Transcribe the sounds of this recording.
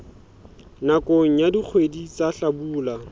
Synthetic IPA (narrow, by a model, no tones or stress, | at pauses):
nakʼoŋ̩jadik͡xʰwedit͡saɬabuːla